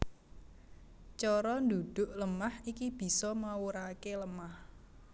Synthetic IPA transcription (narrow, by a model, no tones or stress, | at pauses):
t͡ʃɔɾɔnd̪ud̪̥ʊ̤ʔləmahikib̥i̤sɔmawuɾakeləmah